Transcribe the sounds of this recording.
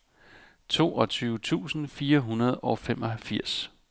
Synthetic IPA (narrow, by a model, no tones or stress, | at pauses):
t͡sʰo̝̰ːʔɒ̽t͡sʰyːʊət͡sʰṵːsn̩fiːɐɦunɐð̞ˠɒ̽fem̰ʔɒ̽hælfiɐ̰s